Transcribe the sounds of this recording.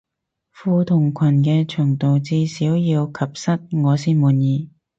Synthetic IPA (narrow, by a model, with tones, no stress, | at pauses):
fuː˧t̪ʰʊ˨˩ŋkʷʰɐ˨˩nk̬ɛː˧t͡ʃʰœː˨˩ŋt̪o˨wt͡siː˧siː˨˥wjiː˧wkʰɐ˨p̚sɐ˥t̚ŋɔː˨˧siː˥nmuː˨˧njiː˨˧